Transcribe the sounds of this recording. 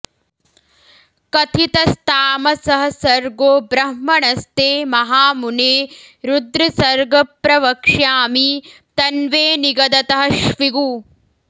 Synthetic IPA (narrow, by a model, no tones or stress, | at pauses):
kɐt̪ʰit̪ɐst̪ʰaːmɐsɐɦɐ̆sɐɾɡoːbɾɐɦmɐɳɐst̪eːmɐɦaːmuneːɾud̪ɾɐsɐɾɡɐpɾɐʋɐkʂjaːmi | t̪ɐnʋeːniɡɐd̪ɐt̪ɐɦɐʃʋiɡuː